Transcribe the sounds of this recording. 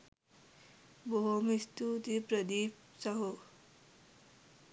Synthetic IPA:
boɦomist̪ut̪ipɾəd̪ip | sʌɦo

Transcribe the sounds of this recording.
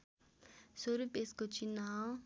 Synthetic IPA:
soɾupeskot͡ʃinaw

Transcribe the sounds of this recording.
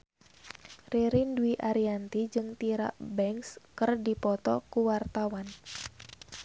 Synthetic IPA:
riɾinduiʔaɾiant̪id͡ʒɨŋt̪iɾa̰ʔbɛŋskərdipɔt̪ɔkuwart̪awan

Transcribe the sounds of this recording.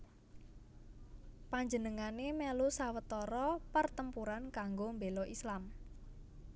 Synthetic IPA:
paɲd͡ʒənəŋanemɛlusawət̪ɔɾɔpərt̪əmpuɾankaŋɡombelɔʔislam

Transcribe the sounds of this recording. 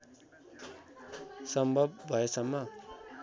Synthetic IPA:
sʌmbʱʌbbʱʌesʌmːʌ

